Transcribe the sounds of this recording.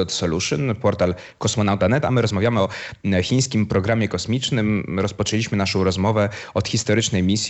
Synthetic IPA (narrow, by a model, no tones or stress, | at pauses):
ɔt̪sɔluʂɨ̰npɔɾt̪al | kɔsmɔnawt̪anɛt̪amɘɾɔzmavʲjamɘɔxʲij̃skʲimpɾɔɡɾamʲjɛkɔsmʲit͡ʂnɘmɾɔspɔt͡ʂɛlʲiɕmɘnaʂɔ̃w̃ɾɔzmɔvɛɔt̪xʲist̪ɔɾɘt͡ʂnɛjmʲisʲ